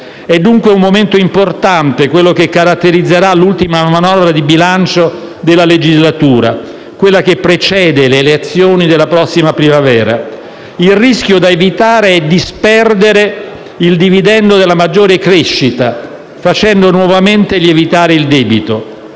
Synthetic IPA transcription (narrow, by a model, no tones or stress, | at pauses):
ɛd̪ːuŋkweummoment̪oimport̪ant̪ekwelːokekːaɾat̪ːeɾid̪zːeɾalːult̪imamanɔvɾad̪ibilant͡ʃo | d̪elːaled͡ʒizlat̪uːɾa | kwelːakepːɾet͡ʃɛːd̪eleːleat̪sːjoːnid̪elːapɾɔsːimapɾimavɛːɾa̰ | ilriskjod̪aevit̪aːɾeɛd̪ispɛrd̪eɾe | ild̪ivid̪ɛnd̪od̪elːamad͡ʒːoːɾekɾeʃːit̪a | fat͡ʃɛnd̪onwɔvament̪eʎievit̪aːɾeild̪ɛːbit̪o